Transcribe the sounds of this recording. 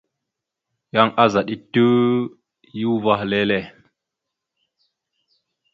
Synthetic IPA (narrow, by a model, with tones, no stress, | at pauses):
ja˦ŋa˦za˨ɗi˦tːə˦ | ju˦va˦hle˦le˦˨